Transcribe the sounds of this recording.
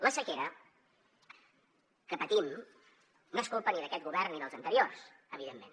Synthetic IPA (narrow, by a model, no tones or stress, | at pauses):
ləsəkeɾə | kəpət̪im | noskolˠpəniðəkɛt̪̚ɡuβɛrnːiðəlˠzənt̪əɾiors | əβ̞iðemːen